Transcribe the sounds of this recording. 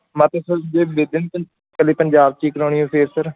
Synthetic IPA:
mãːt̪eːsəɾd̪eːb̪eːd̪ɪn | kəliːpəɲd͡ʒaːb̚t͡ʃiːkəɾoːɳ̃iːõːpʰeːɾsəɾ

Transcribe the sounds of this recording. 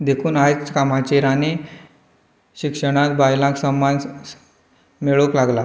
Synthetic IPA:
d̪ekʰuːnajkamat͡ɕeɾane | ɕikʂəɽ̃ãt̪bajlãksəmːan | meɭəklaɡla

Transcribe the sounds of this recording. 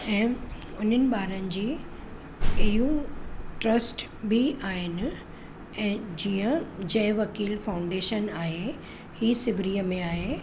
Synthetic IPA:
ɛ̃ː | ʊn̤ənɪ̆ɓaːɾənɪ̆d͡ʑeː | ɐɦijũʈɾɐsʈ | bʱiʔaːɦɪnɪ̆ | ɛ̃ːd͡ʑiːə̃d͡ʑɐ̃ɦɪ̃ʋɐkiːlfaːʊ̃ɳɖeːʃənaːɦe | hiːsɪʋɾijəmẽaːɦe

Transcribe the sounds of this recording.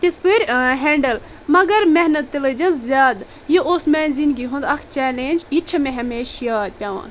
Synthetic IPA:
t̪espɨɾʲɦeːɳɖɐl | mɐɡɐɾmeɦnɐt̪ːiləd͡ʒɐzzʲjaːd̪ | jiʔoːsmeːnʲzinɡiɦũnd̪ɐkʰt͡ʃɛːleːnʲd͡ʒit͡ʃʰɐmẽɦɐmeːʃjaːd̪̚pʲjaːʋã̰ːn

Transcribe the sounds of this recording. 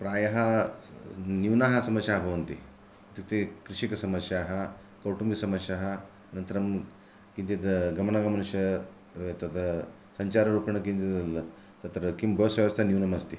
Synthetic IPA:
pɾaːjɐɦɐ | njuːnaːɦɐsɐmɐsjaɦɐbʱɐʋɐnt̪i | ɐt̪ikɐt̪ekɾiʂikɐsɐmɐsjaːɦɐ | kɐwʈumɡɐsɐmɐsjaːɦɐ | ɐnɐnt̪ɐɾɐm | kint̪id̪ɐɡɐmɐnɐɡɐmɐnuʂjɐ | t̪ɐt̪ɐ | sɐɲt͡ʃaːɾɐɾuːpɐɳɐkint̪id̪ɐl | t̪ɐt̪ɾɐkimbʱɐʋɐsʋjɐʋɐst̪ʰɐnjuːnɐmɐst̪i

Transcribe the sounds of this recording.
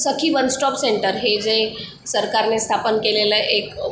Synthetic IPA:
səkʰibənsʈɔpseɳʈəɾɦed͡ʒe | səɾkaɾnest̪ʰapənkeleləʔek

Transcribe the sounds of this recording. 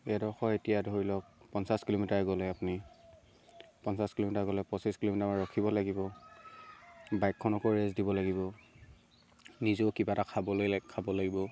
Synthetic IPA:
ɛdɔɹxɔetijadʱoɹilɔk̚pɔnsaskilomitaɹɡɔlɛapuni | pɔnsaskilomitaɹɡɔlɛpɔsiskilomitamaɹɔkʰibɔlaɡibɔ | bajkʰːɔnɔkɔɹezdibɔlaɡibɔ | nizokibatakʰabɔlokʰabɔlaɡibɔ

